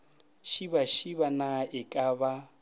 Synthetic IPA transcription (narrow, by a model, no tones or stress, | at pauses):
ʃibaʃiβanaʔɪkʼaβa